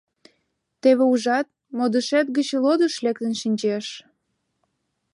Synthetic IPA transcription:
t̪eβeuʒɑt̪̚ | mod̪əʃæt̪̚ɡət͡ɕlod̪əʃlek̚t̪ənʃinʲt͡ɕeʃ

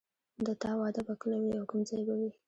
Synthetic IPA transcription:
d̪ət̪ɑwɑd̪abaklawiawkʊmd͡zɑjbawi

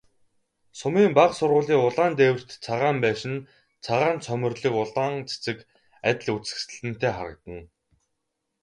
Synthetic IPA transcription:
sʊmiːmpaqsʊrʁʊːɮiːʊɮaːnt̪eːwɘ̆r̥t̪t͡sʰaʁaːmpæːʃɪ̆n | t͡sʰaʁaːnt͡sʰœmʲɵ̆rɮĭːkʊɮaːŋt͡sʰe̥t͡sɘ̆k | at̪ʲɪ̆ɮut͡sɘ̥̆ksɘ̆ɮɘ̆n̥t̪eːχa̰ɾə̆k̚t̪ə̆n

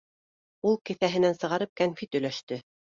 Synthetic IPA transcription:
ulˠkɘ̆θæɦɘ̆nænsɤ̆ʁɑɾɤp̚kænfit̪ɵ̆læʃt̪ɘ

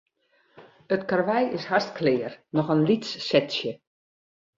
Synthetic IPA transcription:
ətkarʋɛjɪshastklɪːərnɔxənlitsːɛtsjə

